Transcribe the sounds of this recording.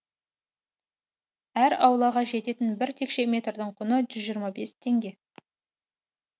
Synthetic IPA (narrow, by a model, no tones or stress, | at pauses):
æɾɑwlˠɑʁɑʒe̞t̪e̞t̪ɪnbɪɾt̪ʰe̞kʃe̞mʲe̞t̪rd̪əɴqʰʊnəʒʏzʒijəɾmɑbe̞st̪ʰe̞ŋɡʲe̞